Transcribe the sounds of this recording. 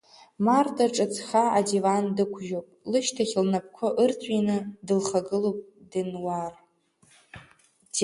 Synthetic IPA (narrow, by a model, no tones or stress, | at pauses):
mardaʈ͡ʂʼɨt͡sʰχaadivandɨkʷʰʒopʼlɨʃtʰaχʲlnap̚ʰkʷʰʊʔɨrt͡sʷʰʼinɨdɨlχaɡɨlopʼdɨnwar